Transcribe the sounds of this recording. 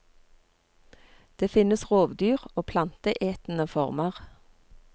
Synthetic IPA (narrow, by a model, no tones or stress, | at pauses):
d̪̥eːfɪnəsʁoːʋd̪yːʁoːpʰlɑnt̪əʔeːt̪n̩əfɔʁməʁ